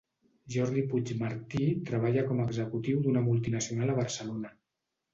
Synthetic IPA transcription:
ʒɔɾðiput͡ʃmaɾt̪it̪ɾəβ̞aʎəkɔmaəːɡzəkut̪iwd̪unəmulˠt̪inəsiunalˠəβ̞əɾsəlonə

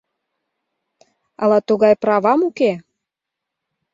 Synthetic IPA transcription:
ɑ̰lɑt̪uɣɑjprɑβɑmuke

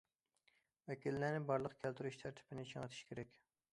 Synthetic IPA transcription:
vɛkʲilːænɪbɑɾlˠəqkʲʰælt̪ʰyɾyʃt̪ʰæɾt̪ʰɪ̥bɪnɪt͡ʃʰɑŋət̪ʰi̥ʃkʲʰeɾɛkʲ

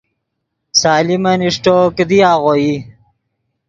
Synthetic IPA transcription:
saːlimɐniʂʈokd̪iaːɣoji

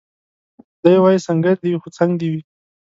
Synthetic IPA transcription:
d̪əjwajisaŋɡaɾd̪iwixot͡saŋɡd̪iwi

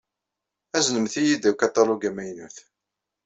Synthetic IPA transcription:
æznəmθijid̪ækɑt̪ˤːɑluɡæmæjnuθ

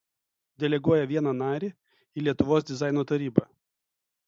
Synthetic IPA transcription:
d̪ʲɛlʲɛɡuɔjɛʋʲiɛnɐnɑːɾʲiː | iːlʲiɛt̪ʊʋoːs̬d̪ʲɪzɑˑɪnoːt̪ɐɾʲiːbɑ

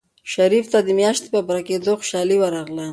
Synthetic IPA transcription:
ʃaɾift̪ad̪əmjɑʃt̪e̥pabaɾaked̪oxʊ̥ʃɑliwaɾɑɣla

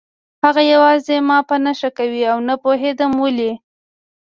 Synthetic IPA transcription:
haɣajawɑzemɑpənaʃakawiawnapoɦed̪amwəli

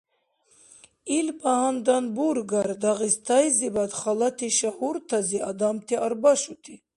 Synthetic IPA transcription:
ilbahand̪anbuɾɡaɾd̪aʁist̪ʰajzibad̪χalat̪ʰiʃahuɾt̪ʰaziad̪amt̪ʰiaɾbaʃut̪ʰi

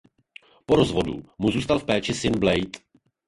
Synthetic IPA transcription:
poɾozvo̞dṵmuzuːst̪alfpɛːt͡ʃɪsɪnblɛjt̪

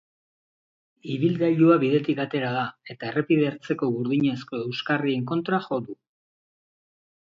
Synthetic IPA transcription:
iβildaʎuaβiðe̞t̪ikat̪e̞ɾaðae̞t̪aere̞piðeɾt͡se̞ko̞ɣuɾðiɲe̞sko̞e̞wskarie̞ŋko̞nt̪ɾaxo̞ðu

